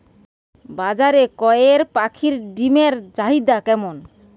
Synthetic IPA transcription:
bad͡ʑaɾekɔjeɾpakʰiɾɖimeɾd͡ʑaɦid̪akɛmon

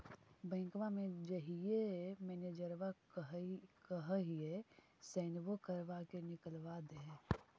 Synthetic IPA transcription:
bə̃ɪ̃ŋkʋamẽd͡ʒəɦijemɛːned͡ʒəɾʋa | kəɦəɦie | sɛːnʋokəɾʋakenɪkəlʋad̪eɦɛ̃

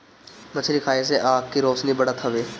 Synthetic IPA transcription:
mət͡ʃʰɾiːkʰaːis̬eʔaːkkːiɾoːsniːbəɽaːt̪ʰəʋeː

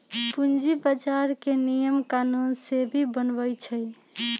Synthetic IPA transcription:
pund͡ʒibad͡ʒaɾkenijəmkanunsebʱibənbəjt͡ʃʰəj

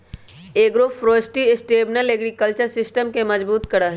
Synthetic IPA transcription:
eːɡɾoːfɾoːsʈiɪsʈeːbnəleɡɾikəlt͡ʃəɾsɪsʈəmkemɐzbuːt̪kɐɽaɦ

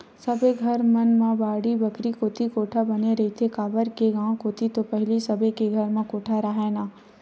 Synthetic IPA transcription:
sɐbeɡʱɐɾmɐnmãbaːɽibɐkɾikoːt̪ikoːʈʰabɐneɾɐɦit̪ʰekaːʋəɾkeɡãːkoːt̪it̪opɐɦɪlisɐbʱekeɡʱɐɾmãkoːʈʰaɾɐɦenaː

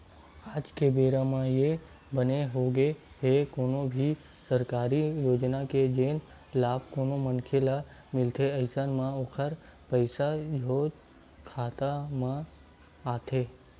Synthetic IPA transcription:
aːd͡ʒkebeːɾamãje | bəneɦoːɡe | ɦekoːnõbʱi | səɾkaːɾijoːd͡ʒnaked͡ʒeːn | laːb̚koːnomənkʰelamɪlt̪ʰeəɪsənmãoːkʰəɾpəɪsad͡ʒʱoːd͡ʒ | kʰaːt̪amã | aːt̪ʰeː

